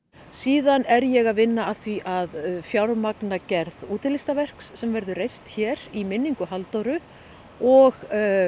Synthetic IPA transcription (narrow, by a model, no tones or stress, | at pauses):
siːðanɛɾjɛɣaðvɪnːaːðθviʔaðfjawɾmaknacɛɾðuːt̪ɪlɪst̪avɛr̥ksːɛmvɛɾðʏrejst̪çɛɾimɪnːiŋkʏɦalt̪owɾʏ | ɔɣ